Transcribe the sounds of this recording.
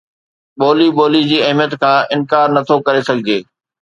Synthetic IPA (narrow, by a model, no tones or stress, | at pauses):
ɓoːliɓoːlid͡ʑiːɐɦmijət̪kʰãːʔɪnkaːɾnɐt̪ʰokɐɾesɐɡʱɪd͡ʑeː